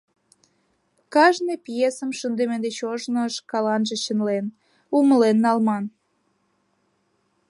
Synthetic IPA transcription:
kɑʒnepjesəmʃənd̪emend̪et͡ɕoʒnoəʃkɑlɑnʒĕɕənlen | uməlenːɑlmɑn

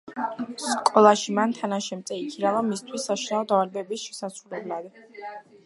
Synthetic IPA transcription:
skʼɔlˠaʃimant̪ʰanaʃɛmt̪sʼɛikʰiɾavamist̪ʰwisːaʃinaɔd̪avalbɛbisʃɛ̥sasʰɾulɛblˠad̪

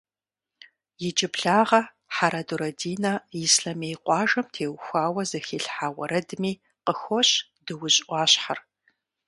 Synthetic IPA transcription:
jɪd͡ʒʼɪpɬaːʁɐ | ħaɾaduɾɐdiːnɐjɪsɬɐmejqʷɑːʒɐmtʰeːwxʷaːwɐzɐxiːɬħaːwɐɾɐdmiː | qəxʷɔɕ | d̥ɨwʊɕʼʔʷɑːɕħar

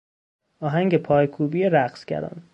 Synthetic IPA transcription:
ʔɒːɦæŋɟepʰɒːjkʰuːbiːeɾæχsɡ̥ʲæ̰ɾɒ̰ːn

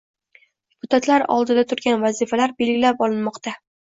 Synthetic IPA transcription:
dd̪epʰʊt̪ʰat̪ʰlaɾɒ̰lˠd̪ɪd̪at̪ʰʊɾɡʲanvazifalaɾbe̞lɡʲɪlapɒlˠɪnmɒqt̪ʰa

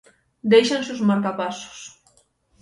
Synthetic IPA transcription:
d̪ejʃanseuzmaɾkapasu̥s

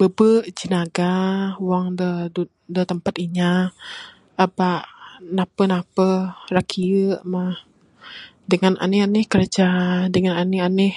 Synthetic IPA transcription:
b̥əbəʔd͡ʒinaɡawaŋdədu | dət̪əmpat̪iɲaː | baʔnapənapərakʰiəʔmah | dəŋana̰nɪhanɪhkəɾd͡ʒadəŋananɪanɪh

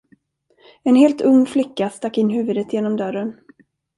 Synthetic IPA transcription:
ɛnheːlt̪ɵŋːflɪkːast̪akːɪnːɦʉ̟ːvɵd̪ət̪jeːnɔmd̪œɾən

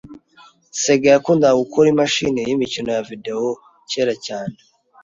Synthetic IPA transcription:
se̞ɡejakuːndaɡukʰoɾimaʃḭnejimicino̞javide̞o | ceːɾacaːne

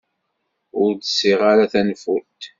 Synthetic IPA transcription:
ʊɾd̪sːiʁaɾaθænfut̪

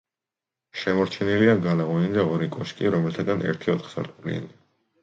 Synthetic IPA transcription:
ʃɛmɔɾt͡ʃʰɛniliaɡalaʁɔnid̪aɔɾikʼɔʃkʼiɾɔmɛlt̪ʰad̪anʔɛ̰ɾt̪ʰiɔt̪ʰχsa̰ɾt̪ʼulḭa̰ni

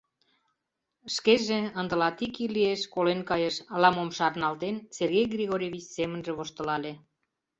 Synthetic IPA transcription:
ʃkeʒeə̆nd̪ə̆lɑt̪ikilieʃkolenkɑjeʃlɑmomʃɑrnɑlt̪enserɣejɡrʲiɣoɾʲevʲit͡ɕsemə̆nʒĕβoʃt̪ə̆lɑle

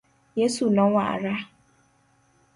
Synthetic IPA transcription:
jesulɔ̃waa̰ɾa

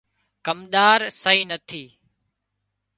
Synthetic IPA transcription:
kɐmɗ̪aːɾsɐɦiːnɐt̪ʰiː

